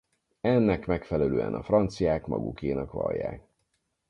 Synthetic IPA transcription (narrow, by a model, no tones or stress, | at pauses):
ɛnːɛkmɛkfɛlɛløːɛnɒfrɒnt̪sijaːkmɒɡukeːnɒkʋɒ̰ljaːk